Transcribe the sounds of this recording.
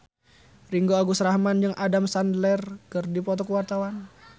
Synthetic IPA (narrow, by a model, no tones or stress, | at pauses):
riŋɡoaɡusɾahmand͡ʒəŋʔadamsandlɛrkərdipɔt̪̬ɔkəwart̪awan